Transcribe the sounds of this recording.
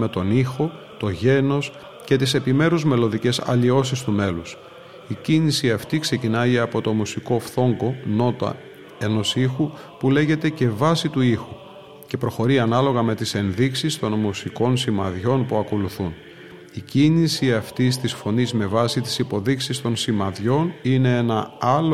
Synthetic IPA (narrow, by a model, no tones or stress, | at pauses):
me̞t̪o̞nixo̞ | t̪o̞ʝe̞no̞s | ce̞t̪ise̞pime̞ɾuzme̞lo̞ðice̞sɐ̰ʎio̞sist̪ume̞lus | icinisiɐft̪ikse̞cinɐiɐpo̞t̪o̞musiko̞fθo̞ŋɡo̞no̞t̪ɐ̰ | e̞no̞sixu | pule̞ʝe̞t̪e̞ce̞vɐsit̪uixu | ce̞pɾo̞xo̞ɾiɐnɐlo̞ɣɐme̞t̪ise̞nðiksist̪o̞nmusiko̞nsimɐðʝo̞npuɐko̞luθun | icinisiɐft̪ist̪isfo̞nizme̞vɐsit̪i̥sipo̞ðiksist̪o̞nsimɐðʝo̞nine̞enɐɐl